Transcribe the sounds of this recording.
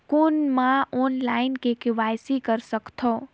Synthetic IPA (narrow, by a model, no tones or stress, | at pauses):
konmãoːnlaɪnkekɪʋajsikəɾsəkt̪ʰo